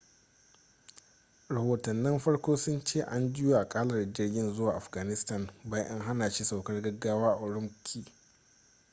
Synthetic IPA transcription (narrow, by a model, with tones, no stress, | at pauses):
ɾɐ˨hoː˨tɐ˨nːɪ˦mɸɐ˦ɽkʷoː˦sʊ˦nt͡ʃeː˦˨ʔa˦nd͡ʒɪ˦ju˨ʔa˨kʼaː˦lɐ˨rd͡ʒɪ˦rɡʲɪ˦nzʊ˦waː˨ʔa˨ɸɡaː˨nɪ˦sta˦˨nbaː˦ʔɪ˦ŋɦa˦naː˨ʃi˦sa˨wkɐ˦rɡɐ˦ɡːaː˦waː˦a˨ʔʊ˨ɽʊ˦mkʲʰiː˦